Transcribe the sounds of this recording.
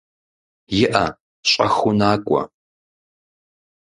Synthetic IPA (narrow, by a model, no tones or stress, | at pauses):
jɪʔɐ | ɕʼɐxʊnaːkʷʼɔ̰